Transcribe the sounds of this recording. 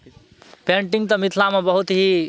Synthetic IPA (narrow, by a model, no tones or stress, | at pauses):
peɳʈiŋɡt̪əmit̪ʰlamebəɦut̪ɦi